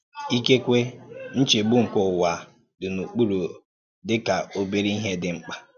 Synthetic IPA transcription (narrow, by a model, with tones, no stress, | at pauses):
i˦ke˦kʷe˦n̩˦t͡ʃe˨ɡ͡bu˦ŋ̩˨kʊ˦˨wa˨ | dʊ˨nu˨k͡pu˦ɾo˨ | dɪ˦ka˨o˦bi˦ɾi˦i˦ɦe˦dɪ˦ŋ͡m̩˦k͡pa˦